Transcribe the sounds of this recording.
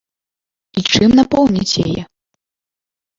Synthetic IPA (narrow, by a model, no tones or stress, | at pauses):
it͡ʂɨmnapɔwnʲit͡sʲja̰jɛ